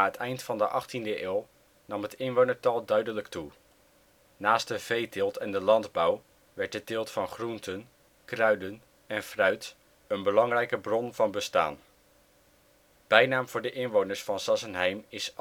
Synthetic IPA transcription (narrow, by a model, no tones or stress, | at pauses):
aːɦətʰɛjntfɑndəʔɑχtindəʔɪːlˠ | nɑmɦətɪnʋownəɹtɑlˠdœɥdələktu | naːstdəv̥ejtɪlˠtʰɛndəlɑndbʌw | ʋɛɹt̚dədɪːlˠtfɑnχruntʰən | krœɥdən | ɛnfrœɥt | ənbəlɑŋrɛjkəbrɔnvɑnbəsta̰ːn | b̥ɛjnaːmv̥ʊːɹdəʔɪnʋownəɹsfɑnsɑsənɦɛjmɪs